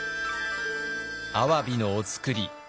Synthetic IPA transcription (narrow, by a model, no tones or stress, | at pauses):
aβabʲinoːt͡sɨ̥kɯ̟ɾʲi